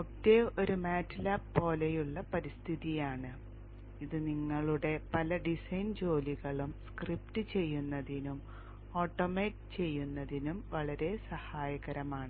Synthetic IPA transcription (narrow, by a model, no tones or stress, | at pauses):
otːeo̞ɾumaːtːlaːppo̞ːlejuɭːɐpɐɾist̪ʰiðijaːɳɨ | iðɨniŋːɐɭuɽe̞pɐlɐɖisɐjnd͡ʑo̞ːliɣɐɭumskriptɨt͡ɕe̞jːunːɐðinum | o̞ːʈːomeːtɨt͡ɕe̞jːunːɐðinumʋɐɭɐɾe̞sɐhaːjɐɣɐɾɐmaːɳɨ